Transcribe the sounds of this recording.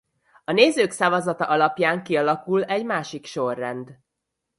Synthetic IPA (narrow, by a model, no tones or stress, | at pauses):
ɒneːzøːksavɒzɒt̪ɒʔɒlɒpjaːŋkiɒlɒkulɛɟmaːʃikʃo̞rːɛnd̪